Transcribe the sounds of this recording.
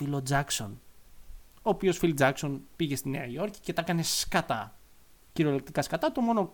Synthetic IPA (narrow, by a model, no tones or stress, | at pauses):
ilod͡zɐkso̞̰n | oːpio̞sfild͡zɐkso̞npiʝe̞st̪ineɐio̞ɾci̥ce̞t̪ɐkɐne̞skɐt̪ɐ | ciɾolek̚t̪ikɐskɐt̪ɐt̪omo̞no̞